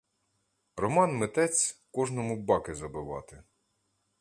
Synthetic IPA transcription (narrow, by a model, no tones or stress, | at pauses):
rɔmɑnmɪt̪ɛt͡sʲkɔʒnɔmʊbɑkɪzɐbɪʋɑ̰t̪ɪ